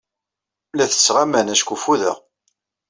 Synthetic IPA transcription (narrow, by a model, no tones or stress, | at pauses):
læθə̥sʁamænæʃkufuðə̰ʁ